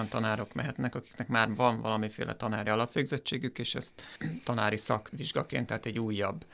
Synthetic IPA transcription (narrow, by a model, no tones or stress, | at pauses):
nt̪ɒnaːɾo̞kmɛ̰ɦɛt̪nɛkɒki̥knɛkmaːrvɒɱvɒ̰lɒmifḛːlʔɛ̰t̪ɒnaːɾiɒlɒpʋeːɡzɛt͡ʃːeːɡykeːʃɛ̰st̪t̪ːɒnaːɾisɒkʋiʒɡɒkḛːnt̪ːɛɦaːt̪ɛɟːuːjːɒ̰bː